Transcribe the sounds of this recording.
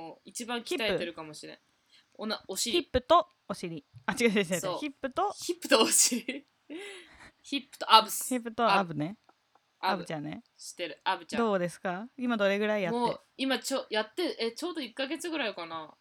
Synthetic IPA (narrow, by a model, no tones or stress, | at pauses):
oit͡ɕibãŋkkiit̪aeɯeɾɯ̟kamo̞ɕiɾḛ̃ | onaoɕiɾʲipːɯ̟t̪o̞ | oɕiɾʲiat͡ɕiɡaeɕsoçipːɯ̟t̪o̞çipːɯ̟t̪ooɕiɾi | çipːɯ̥t̪oabɯsçipːɯt̪oabɯ̟ne | aabɯ̟t͡ɕãne | ɕi̥t̪e̞ɾɯ̟abɯ̟t͡ɕad̃d̪o̞ːd̪e̞sɨ̥kaimad̪o̞ɾe̞ɡɯ̟ɾaijamotːe | imat͡ɕojat̪ːeɯʔet͡ɕo̞ːd̪o̞ikːaɡe̞t͡sɨɡɯ̟ɾaikana